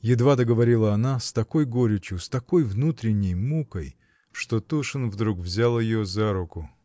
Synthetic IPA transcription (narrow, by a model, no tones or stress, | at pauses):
jɪd̪vad̪əɡəvɐɾʲilˠəɐnast̪ɐko̞jɡoɾʲɪt͡ɕjʊst̪ɐko̞jvnut̪ɾʲɪnʲːɪjmukəj | ʂt̪ot̪uʂɨnvd̪ɾukvzʲalˠəjɪjozaɾʊkʊ